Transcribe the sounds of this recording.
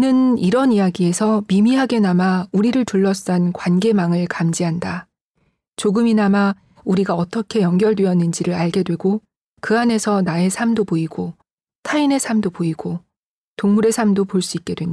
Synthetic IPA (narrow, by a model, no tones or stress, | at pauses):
inɯniɾʌnijaɡie̞sʰʌmimiɦaɡe̞namauɾiɾɯɭtuɭːʌs͈ankwanɡe̞maŋɯɭkamd͡ʑiɦanda | t͡ɕoɡɯminama | uɾiɡaʌt͈ʌkʰe̞jʌŋɡjʌɭdweʌnːɯnd͡ʑiɾɯɾaɭɡe̞dwe̞ɡo | kɯane̞sʰʌnae̞sʰamdoboiɡo | tʰaine̞sʰamdopoiɡ̥o | toŋmuɾe̞sʰamdopoɭs͈uik͈̚e̞dweɲ